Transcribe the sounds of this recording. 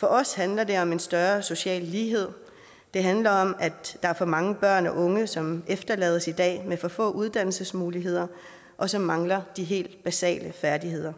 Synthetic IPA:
fɒ̽ʔɒ̽shænlɐd̥e̝ɒ̽me̝nsd̥ɶɐso̝ɕɛ̰ːlːiːɦe̝ð̞̰ˠ | d̥e̝ɦænlɐɒ̽mæd̥ɑ̈æɐfɒ̽mɑ̈ŋəb̥ɶɐ̰nɒ̽ʔɔ̽ŋəsɒ̽mefd̥ɐlɛ̰ːð̞ˠsid̥ɛ̰ːmefɒ̽fɔ̰̽ːʔuð̞ˠd̥æn̰l̩səsmuːliɦe̝ð̞̰ˠɐ | ʔɒ̽sɒ̽mːɑ̈ŋlɐd̥iɦe̝̰ːld̥b̥æsɛ̰ːləfæɐdiɦe̝ð̞̰ˠɐ

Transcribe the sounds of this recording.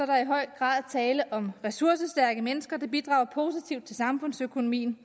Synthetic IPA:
sɒɾ̥ɑ̈iɦɒ̽ɪ̰ɡ̥ʁɑ̰̈ːðˠt͡sʰɛːləʔɒ̽mʁɛsuɐsəsd̥æɐɡ̥əmenəsɡ̥ɐd̥ɑ̈b̥id̥ʁɑ̈ʊ̰ɐpʰo̝ːsit͡sʰiʊd̥̚t͡sʰe̝lsɑ̈mfɔ̽n̰søkʰo̝no̝mḭːn

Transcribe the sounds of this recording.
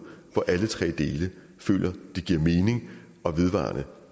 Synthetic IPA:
ʋɒ̽ʔælət͡sʰʁɛ̰ːd̥e̝ːlə | fø̰ːlʲʔɐd̥e̝ɡ̥iɐ̰me̝ːne̝ŋ | ɒ̽ʋe̝ð̞ˠʋɑ̰̈ːnə

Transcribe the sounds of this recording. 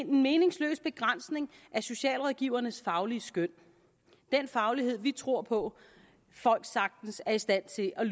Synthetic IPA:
nenme̝ːne̝ŋslø̰ːsb̥e̝ɡ̥ʁan̰sne̝ŋʔæɐso̝ɕɛ̰ːlʁɒðˠɡ̥iʊ̰ɐnəsfɑ̈ʊliəsɡ̥øn̰ | d̥enfɑ̈ʊliɦe̝ð̞̰ˠʋit͡sʰʁo̝ɐ̰pʰɒ̽ | fɒ̽l̰ɡ̥sɑ̈ɡ̥̚d̥n̩sæɐisd̥æn̰t͡sʰe̝lʔæl

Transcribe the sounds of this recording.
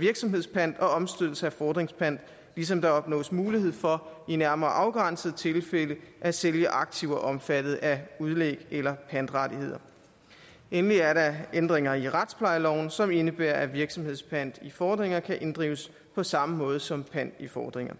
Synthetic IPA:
ʋiɐɡ̥sɒ̽mɦe̝ð̞̰ˠspʰæn̰d̥ɒ̽ɒ̽msd̥øð̰ˠl̩səæfɒːd̥ʁeŋspʰæn̰d̥ | lis̬ɒ̽md̥ɑ̈ɒ̽b̥nɔ̰̽ːsmuːliɦhe̝ð̞̰ˠfɒ̽inæɐmɐːʔɑ̈ʊɡ̥ʁɑn̰səð̞̩ˠt͡sʰe̝lfeləʔæseljəʔɑ̈ɡ̥̚t͡sʰiʊɒʔɒ̽mfæd̥ð̞̩ˠæuð̞ˠleɡ̥elɐpʰæn̰d̥ʁɑdihe̝ð̰ˠɐ | enliæɐɾɑ̈end̥ʁeŋɐiʁɑd̥spʰlɑ̈ɪlɒʊ̰n̩sɒ̽me̝nəb̥æɐʔæʋiɐɡ̥sɒ̽mhe̝ð̞̰ˠspʰæn̰d̥ifɒːd̥ʁeŋɐkʰæʔe̝nd̥ʁḭːʊəs | pʰɒ̽sɑ̈məmɔ̽ːð̞ˠsɒ̽mpʰæn̰d̥ifɒːd̥ʁeŋɐ

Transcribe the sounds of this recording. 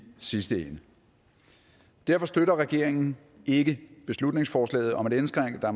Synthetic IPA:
sisd̥əenə | d̥æɐfɒ̽sd̥øɾɐʁɛɡ̥e̝ɐ̰eŋn̩ | e̝ɡ̥əb̥e̝slud̥ne̝ŋsfɒːslɛ̰ːð̞̩ˠɒ̽me̝ɾ̥ensɡ̥ʁaŋ̰əd̥ɑ̈

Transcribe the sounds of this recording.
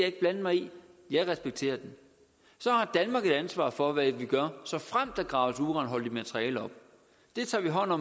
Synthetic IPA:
jɑ̈e̝ɡ̥̚b̥lænd̥mɑ̈ɪijɑ̈ɪʁɛsb̥eɡ̥̚t͡sʰe̝̰ːɐd̥en | sɒ̽hɑ̈d̥ænmɑ̈ːɡ̥ed̥ænsʋɑ̰̈ːfɒ̽ʋæʋiɡ̥ɶɐsɒ̽fʁam̰d̥æɡ̥ʁɑ̈ːʊsuʁɑ̈ːnɦɒ̽l̰əd̥imæt͡sʰʁiɛ̰ːləɒ̽b̥̚ | d̥e̝t͡sʰɑ̰̈ːʋiɦɒ̽n̰ɒ̽m

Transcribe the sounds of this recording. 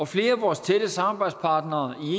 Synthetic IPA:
ɒ̽fle̝ːɐæʋɒːst͡sʰed̥əsɑ̈mɑb̥ɑ̈ɪd̥spʰɑ̈ːd̥nɐːie

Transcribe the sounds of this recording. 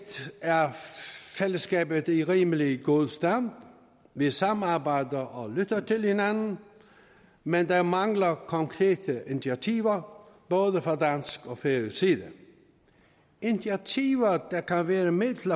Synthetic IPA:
æɐfeləskɛːbəðiʁiːməliɡoðˠsd̪̥ænd̪ | ʋisɑmɑbaɪd̪əʔɔlyt̪ɐt̪ʰɪlhɪnænn̩ | mɛnd̪æmɑŋlɐkʰɔŋkʰʁeːt̪ʰəʔɪnsat̪ʰiːʋɐb̥ɔːðəfʁɑd̪ænskɔfesiːðə | ɪndatʰiːʋɐd̪̥ækʰænʋæːɾəmɪd̪l̩ɐ

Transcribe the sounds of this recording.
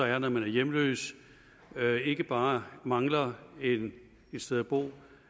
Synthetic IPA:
ɒ̽æɐnɒmænæɐjemlø̰ːs | e̝ɡ̥əb̥ɑ̈ːmɑ̈ŋlɐen | ed̥sd̥eð̞ˠæb̥o̝̰ː

